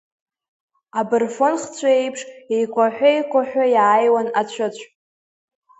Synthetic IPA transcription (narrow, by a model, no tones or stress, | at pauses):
abɨrfonχt͡sʷʰae̞jpʰʂejkʷʰaħᶣʷajkʷʰʼaħᶣajaːjwanat͡ɕʷʰat͡ɕʷʰ